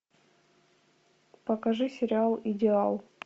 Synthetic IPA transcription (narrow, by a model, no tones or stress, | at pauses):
pəkɐʐɨsʲɪɾʲɪalˠɪdʲɪalˠ